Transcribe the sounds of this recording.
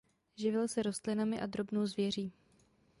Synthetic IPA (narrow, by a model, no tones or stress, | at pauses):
ʒɪvɪlsɛɾo̞st̪lɪnamɪʔad̪ɾo̞bno̞wzvjɛr̝iː